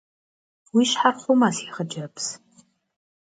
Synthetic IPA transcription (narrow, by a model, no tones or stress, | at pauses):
wiːʃħarχʷʊmasiʁəd͡ʒɐps